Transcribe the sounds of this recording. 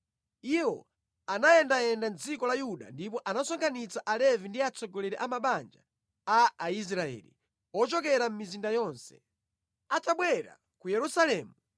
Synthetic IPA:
iwɔ̰ | anajɛndaɛndant͡sikɔlajuɗa̰ndip̬ɔʔanasɔŋkʰanit͡saʔalɛvindiat͡sɔɡɔlɛɾɛʔamaɓand͡ʒa̰ | aːis̬ɾaɛ̰ːlḭ | ɔt͡ʃɔk̬ɛɾam̩mizindajɔːnsɛ̥ | ataɓwɛɾa̰ | kujɛɾusalɛːmu

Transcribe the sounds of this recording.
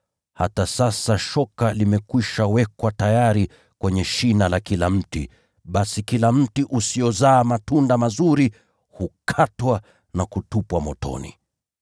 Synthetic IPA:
ha̰tasasaʃɔkalimɛkwiʃawɛkwatajaɾi | kwɛɲɛʃinalakilam̩tḭ | ɓasikilam̩tiʔusijɔzaːmatundamazuɾi | hukʰatwa | nakutupwamɔtɔ̰nḭ

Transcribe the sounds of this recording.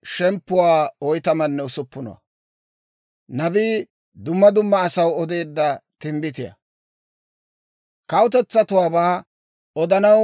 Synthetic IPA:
ʃɛmpːʊwaːɔjt̪ɐmɐnːɛʊsʊpːʊnɔ̰wɐ̰ | nɐbiː | d̪ʊmːɐd̪ʊmːɐːsɐwɔd̪e̞ːd̪ːɐt̪ɪmbɪt̪ɪjɐ̰ | kɐwʊt̪ɛt͡sːɐt̪ʊwaːbaː | ɔd̪ɐnɐw

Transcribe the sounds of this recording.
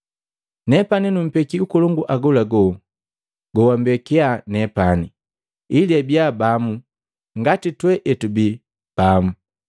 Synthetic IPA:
nɛpaninum̩pɛkiukɔlɔŋɡuʔaɡɔlaɡɔ | ɡɔwambɛkɛanɛpani | iliɛbjabamu | ŋɡatitwɛʔɛtubi | b̥amu

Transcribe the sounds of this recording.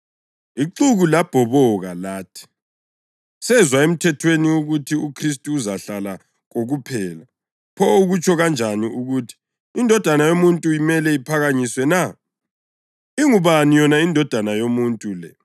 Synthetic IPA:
iǃuɣulab̥ʱɔβɔɣalaːtʰi̥ | sɛzwaem̩tʰɛtʰweniuɣutʰiukʰris̬tʼuːzaɬala | ɣoɣupʰɛːla | pʰɔoɣut͡ʃʰʼɔɣand͡ʒʱaniuɣutʰi̥ː | ndʱɔd̥ʱanajomuntʼuimɛlɛipʰaɣaɲiswɛna | iŋuβanijɔnaindʱɔd̥ʱanajomuntʼulɛ

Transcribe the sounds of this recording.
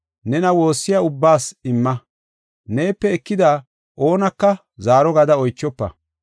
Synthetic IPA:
nɛnɐwo̞ːsːɪjaʊbːaːsɪmːɐ | ne̞ːpːɛɛkːɪd̪aː | ʔo̞ːnɐkːɐ | zaːɾɔɡɐd̪ɐɔjt͡ʃːɔpːɐ̰

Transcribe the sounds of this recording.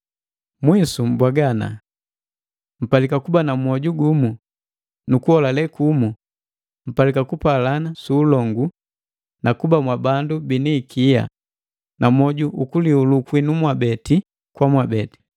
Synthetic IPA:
mwisum̩bwaɡana̰ | m̩palikakubanamwɔɟuɡumu | nukuhɔlalɛkumu | m̩palikakupalanasuːlɔŋɡu | nakubamwabandubinikʰija̰ | namɔɟuʔukuliulukwinumwabɛti | kwamwabɛti̥

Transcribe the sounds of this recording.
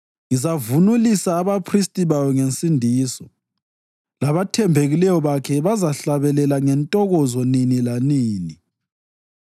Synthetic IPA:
ŋizavunulisaːβapʰristʼiβawɔŋent͡sʼindʱiːsɔ | laβatʰɛmbʱeɣilɛjɔβakʰɛβazaɬaβɛlɛlaŋɛntʼɔɣɔzɔninilaniːni

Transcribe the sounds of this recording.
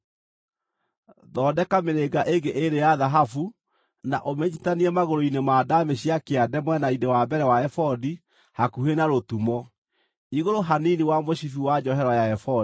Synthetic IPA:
ðɔːdɛkameɾeɡaʔeŋɡeʔeɾejaðaɦafu | naʔomeɲitaniɛmaɣoɾoinemaːdameɕiakeadɛmwɛnaidewabɛɾɛwaɛfɔdi | hakuhenaɾotumɔ | iɣoɾoɦaniniwamoɕifiwad͡ʑɔhɛɾwajaɛfɔ

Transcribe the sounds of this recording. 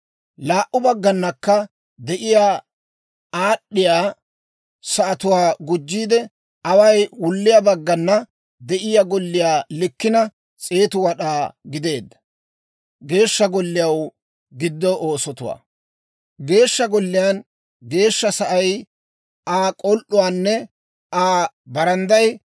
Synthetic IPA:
laːʔʊbɐɡːɐnːɐkːɐ | d̪ɛʔɪjaː | aːɗːɪjaː | sɐʔɐt̪ʊwaːɡʊd͡ʒːiːd̪ɛ | ʔɐwɐjwʊlːɪjabɐɡːɐnːɐ | d̪ɛʔɪjaɡɔlːɪjaːlɪkːɪnɐ | t͡sʼeːt̪ʊwɐɗaːɡɪd̪e̞ːd̪ːɐ̥ | ɡe̞ːʃːɐɡɔlːɪjɐw | ɡɪd̪ːɔʔoːsɔt̪ʊwa̰ː | ɡe̞ːʃːɐɡɔlːɪjaːn | ɡe̞ːʃːɐsɐʔɐj | aːkʼɔlʔːʊwaːnːɛ | ʔaː | bɐɾɐnd̪ɐj

